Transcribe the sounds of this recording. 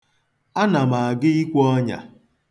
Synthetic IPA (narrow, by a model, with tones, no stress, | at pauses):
a˦na˨ma˨a˨ɡɪ˦i˦kʷɔ˦ɲa̰˨